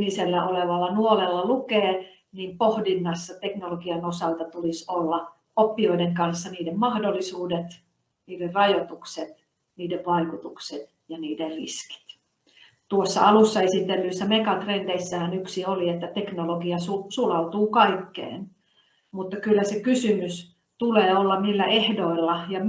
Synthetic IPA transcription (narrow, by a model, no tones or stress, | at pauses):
niselːæʔoleʋɑlːɑnuolelːɑlukeː | niːmpohdinːɑsːɑt̪eknoloɡiɑnosɑlt̪ɑt̪ulisolːɑ | opːioideŋkɑnsːɑniːdemmɑhdolːisuːdet̪ | niːderrɑjot̪ukset̪ | niːdeʋʋɑikut̪ukset̪ | jɑniːderrḭski̥t̪ | t̪uosːɑ̰ɑlusːɑesit̪ːelːyisːæmekɑt̪rend̥̪eisːæhænyksioliet̪ːæt̪eknoloɡiɑsusulɑut̪uːkɑikːḛːn | mut̪ːɑkylːæsekysymys | t̪uleːolːɑmilːæʔehdoilːɑjɑ